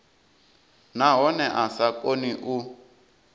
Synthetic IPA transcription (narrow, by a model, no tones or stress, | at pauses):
naɦɔnɛʔasakʼoniʔu